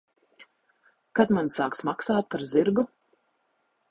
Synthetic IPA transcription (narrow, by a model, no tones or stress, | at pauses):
kat̪mansaːksmaksaːt̪̚paɾziɾɡu